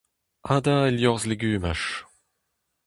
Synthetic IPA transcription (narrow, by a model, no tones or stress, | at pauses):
aːd̪aeljɔʁzleɡyːmaʃ